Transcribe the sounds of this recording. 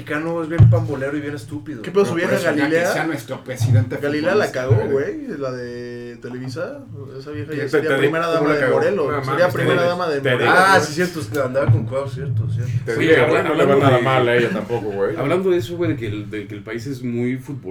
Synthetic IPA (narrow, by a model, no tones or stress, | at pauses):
ikanoezβjempamboleɾoiβjexaest̪upiðokepeosuβjexaɣalilesaeanwest̪ɾopɾesiðent̪eɣalilealakaɣoɣwejlaðe | t̪eleβisa | esaβjexasɾiapɾimeɾaðamoalaðeaɣmoɾelonasmaɾiapɾimeɾaðamaðeðasisjeɾt̪oest̪eand̪aβakoŋkwewsjeɾt̪osjeɾt̪ot̪anoleβanaðamalaeʝat̪ampokoɣweja̰βland̪oðesowejðeked̪ekelpaisezmujfut̪bo